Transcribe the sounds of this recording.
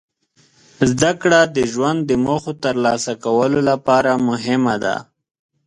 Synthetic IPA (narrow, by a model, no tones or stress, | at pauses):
zd̪akɽad̪əʒwand̪ːəmoxot̪əɾlɑsakawəlolapɑɾamʊɦɪmad̪a̰